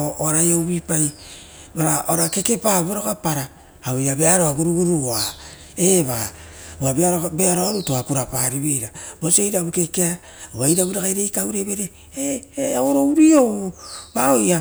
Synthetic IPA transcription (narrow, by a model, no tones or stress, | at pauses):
ooɾajowβipaj | baɾaʔoɾake̞ke̞pabeɾokapaɾaː | ojabeaɾoaɡuɾuɡuɾua | eβa | uabeaɾobeaɾoaɾutoakuɾapaɾiβejɾabosejɾaβuke̞kea | ajɾaβuɾakajɾejkawɾeβeɾe | eaoɾowɾio̞βaoja